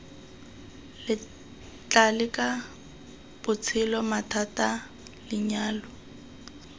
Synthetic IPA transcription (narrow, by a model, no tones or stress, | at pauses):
lɪ | t͡ɬʼalɪkʼa | bʊt͡sʰɪlɔmatʰatʼa | lɪɲaːlɔ